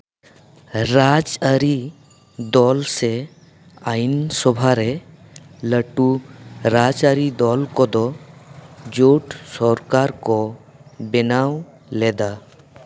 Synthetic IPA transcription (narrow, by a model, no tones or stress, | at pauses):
ɾad͡ʒəɾi | d̪ɔːlse | aɪnsɔbʱaɾe | ləʈuɾad͡ʒaɾid̪ɔlkɔd̪ɔ | d͡ʒoːʈsɔɾkaːɾkɔ | bɪnaːw | led̪a